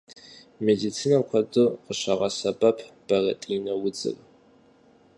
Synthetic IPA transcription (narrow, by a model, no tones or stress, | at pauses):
medit͡sʰiːnɐkʷʰɐdɨqəɕɐʁɐsɐbɐpʰb̥ɐrɐ̰tʼinɐwʊd͡zɨ̰r